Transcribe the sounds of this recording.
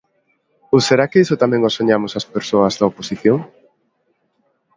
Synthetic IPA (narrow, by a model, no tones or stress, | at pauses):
oseɾakeisʊt̪amɛ̃ŋosoɲamʊsaspeɾsoɐzðɐoposiθjoŋ